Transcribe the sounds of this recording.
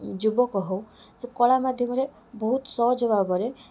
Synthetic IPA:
d͡ʒubɔkɔɦowsekɔɭamad̪ʱjɔmɔɾe | bɔɦut̪sɔɦd͡ʒɔbabɔɾe

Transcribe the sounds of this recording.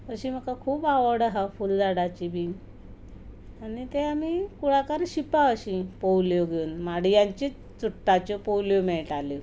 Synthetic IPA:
əɕĩm̤əkakʰuːpaʋəɽəɦafuld͡zaɽat͡ɕibʱiː | añit̪eamikuɽakaɾɕipaəɕĩpowljoɡʱeunmaɽijaɲt͡ɕe | t͡suʈːat͡ɕɔpowljomeɭʈalo

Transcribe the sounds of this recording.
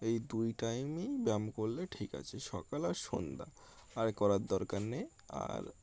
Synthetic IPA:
ejd̪ujʈajmebɛmkoɾlːeʈʰika̰t͡ɕʰeʃɔkalaɾʃond̪a̰aɾkɔɾaɾd̪ɔɾkaɾne | a̰ɾ

